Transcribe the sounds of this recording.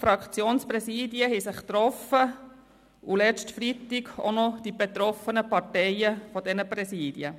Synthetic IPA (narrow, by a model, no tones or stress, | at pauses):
fɾɑkt͡sjoːnspɾɛsiːdjəɦhɛsɪχt̪ɾɔfə | ulɛt͡stfɾitɪɡo̰nɔd̥ib̥et̪ɾɔfənəpɑtɛɪəfɔd̥ɛnəpɾɛsiːd̥iə